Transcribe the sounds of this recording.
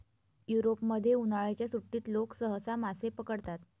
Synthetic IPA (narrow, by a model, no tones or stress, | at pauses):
juɾopməd̪ʱːjeunaɭet͡ɕjasuʈːiːt̪loksəɦəsamasepəkəɽt̪at̪